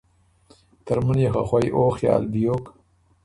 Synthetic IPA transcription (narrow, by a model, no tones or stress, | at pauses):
t̪aɾmunjexa̰xwajʔoːxjɑ̰ːlbijok